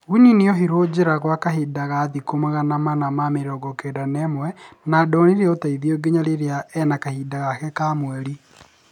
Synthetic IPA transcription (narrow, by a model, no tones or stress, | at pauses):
ɣuniniɔɦiɾod͡ʑeɾaɣwakaɦedaɣaðikomaɣanamanamameɾɔɡɔkedanɛmwɛnadɔniɾeotaiðioɡeɲaɾeɾeaɛnakahiːdaɣakɛkamwɛɾi